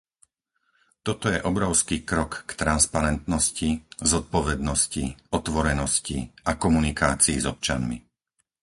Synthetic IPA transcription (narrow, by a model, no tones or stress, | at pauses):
t̪ɔt̪ɔjɛʔɔbɾɔʊskiːkɾɔkːt̪ɾanspaɾɛnt̪nɔscizɔt̪̚pɔʋɛd̪nɔsciɔt̪ʋɔɾɛnɔscḭʔakɔmunikaːt͡siːzɔp̚t͡ʃa̰nmḭ